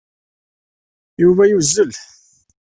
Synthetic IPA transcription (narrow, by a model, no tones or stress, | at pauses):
juvæjuzːəlθ